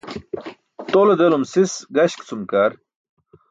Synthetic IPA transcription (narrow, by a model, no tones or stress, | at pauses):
t̪oːlɐd̪elumsisɡɐɕkt͡sumkaːɾ